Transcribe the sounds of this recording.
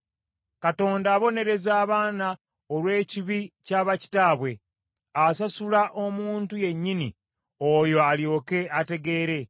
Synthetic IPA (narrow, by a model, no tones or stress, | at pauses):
kato̞ːndaːβo̞ne̞ɾe̞zaːβaːna | o̞lwe̞ːciβicaːβaci̥taːβwe̞ | asasulaʔo̞muːntuje̞ɲːinḭ | ojo̞aljo̞ːke̞ate̞ɡe̞ːɾe̞